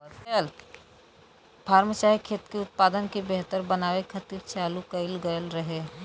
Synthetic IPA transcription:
l | pʰaːɾmət͡ʃaːɦikʰeːt̪keʊt̪̚paːd̪ənkebeɦt̪əɾbənaːʋekʰɐt̪iːɾt͡ʃaːlukɐɪlɡəjəlɾɐɦe

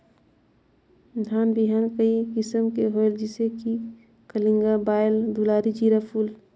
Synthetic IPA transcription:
d̪ʱaːnbiɦaːnkəikɪsəmkeɦoeld͡ʒɪseki | kəlĩŋɡabaːjld̪ulaːɾid͡ʒiːɾapʰuːl

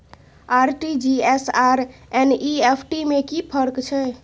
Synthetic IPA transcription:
aɾʈid͡ʒiesaɾɛniepʰʈimekipʰəɾkt͡ʃʰɛ

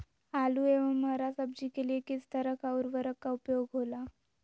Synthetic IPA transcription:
alueʋəmːəɦɾasəb̚d͡ʑiːkeliekit͡st̪əɾəkʰauɾʋəɾəkːaupjoɡɦola

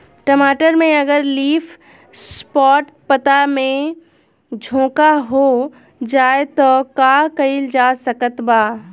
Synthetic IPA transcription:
ʈəmaːʈəɾmẽɐɡəɾliːfʰ | spɔːʈ | pət̪amẽ | d͡ʒʱõːkaɦo | d͡ʒaːet̪ɔkakɐɪld͡ʒaːsɐkət̪baː

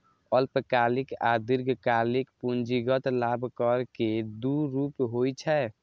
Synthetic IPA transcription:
əlpəkalikad̪iɾɡʱkalikpund͡ʒiɡət̪labʱkəɾked̪uɾupɦojt͡ʃʰɛ

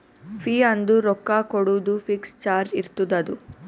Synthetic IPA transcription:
pʰiːɐnd̪uɾɔkːakoɽud̪ufʰikst͡ʃaːɾd͡ʒiɾt̪ud̪ɐd̪u

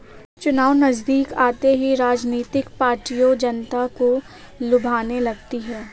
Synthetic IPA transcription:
t͡ʃʊnaːʋnɐzd̪iːkaːt̪eɦiɾaːd͡ʒniːt̪ɪkpaːɾʈijod͡ʒɐnt̪ako | lʊbʱaːnelɐɡ̚t̪iɦɛː

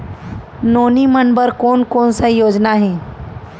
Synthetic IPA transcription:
noːnimənbəɾkoːnkoːnsəjoːd͡ʒnaɦɛ̃ː

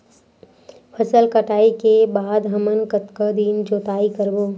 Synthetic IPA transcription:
pʰəsəlkəʈaːikebaːd̪ɦɐmənkət̪kəd̪iːnd͡ʒoːt̪aːikəɾboː

